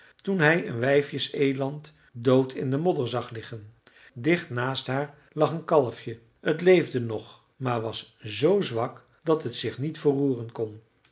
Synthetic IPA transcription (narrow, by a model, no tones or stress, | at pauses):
tunɦɛjə̰nʋɛjfjəsejlɑnt | dowtʰɪ̰ndəmɔdəɹzɑχlɪχən | dɪχtnaːstɦaːɹ | lɑχənkɑlˠəfjə | ətlejvdənɔχ | maːɹʋɑs | zowzʋɑk | d̥ɑtɦətsɪχnitfəruːrənkɔn